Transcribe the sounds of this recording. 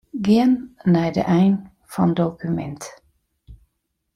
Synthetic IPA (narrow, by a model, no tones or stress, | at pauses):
ɡeənnæɪd̪ə̰ʔæɪn | fɑ̰nd̪okʉmɛ̰nt̪